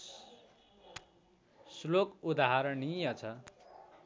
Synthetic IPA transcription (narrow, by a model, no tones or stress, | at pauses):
slokud̪aɦaɾʌnijʌt͡sʰʌ